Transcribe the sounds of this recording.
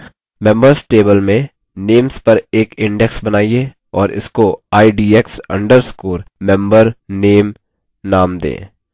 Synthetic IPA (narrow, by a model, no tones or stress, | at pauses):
mɛ̃mbəɾsʈeːbəlmẽ | neːmspɐɾeːkɪ̃ɳɖɛksbɐnaːie | ɔːɾɪ̰skoaːiɖiːeksɐ̰̃ɳɖəɾskuːɾmɛ̃mbəɾneːm | naːmd̪ḛ̃ː